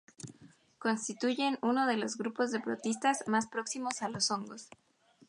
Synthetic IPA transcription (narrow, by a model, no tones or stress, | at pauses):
ko̞nst̪it̪uʝe̞nuno̞ð̞e̞lo̞zɣɾupo̞zðe̞pɾo̞̰t̪ist̪azmaspɾo̞ksimo̞salo̞so̞ŋɡo̞s